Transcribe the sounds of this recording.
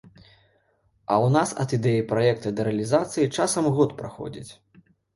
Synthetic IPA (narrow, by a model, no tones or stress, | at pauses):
ɐ̰wnasɐ̰d̪id̪ɛjipɾajɛk̚t̪ɐd̪ɐɾɛɐlʲizat̪sɨjit͡ʂasɐmɣɔt̪pɾaxɔ̰d͡zʲḭt͡sʲ